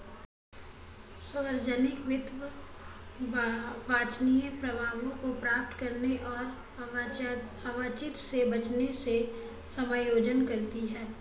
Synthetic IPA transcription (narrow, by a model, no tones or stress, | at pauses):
səʋəɾd͡ʒənɪkʋɪt̪ʋə | baːt͡ʃniẽpɾɐbʱaːʋõkopɾaːp̚t̪ʰkɐɾneʔɔːɾ | aʋat͡ʃɪt̪sebɐt͡ʃnese | sɐməjoːd͡ʒənkɐɾt̪iɦɛː